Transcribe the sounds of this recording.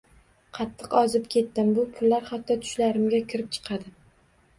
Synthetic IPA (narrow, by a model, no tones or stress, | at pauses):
qʰɑt̪ʰːɨqɒzɪpkʲʰe̞t̪ːɪmbʊpʰʊlːaɾhat̪ːɒt̪ʰʊ̥ʃlaɾɪmɡʲakʲʰɪɾɪp̚t͡ʃʰɨ̥qʰɑd̪ɪ